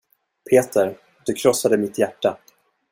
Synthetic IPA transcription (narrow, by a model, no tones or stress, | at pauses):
pʰeːt̪ʰəɾ | d̪̥ɵkʰɾɔsːad̪əmɪt̪jæʈːa